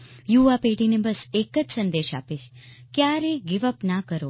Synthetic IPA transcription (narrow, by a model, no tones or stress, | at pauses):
juʋapeʈinebəsekəd͡ʒsənd̪eʃa̰peʃkjaɾeɡɪʋəpnakəɾo